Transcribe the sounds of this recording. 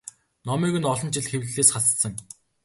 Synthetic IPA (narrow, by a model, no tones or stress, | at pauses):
nɔmiːɣɘ̆nɔɮɞ̆nt͡ɕɪ̆ɮxewɮɮeːsχaɮsə̆ŋ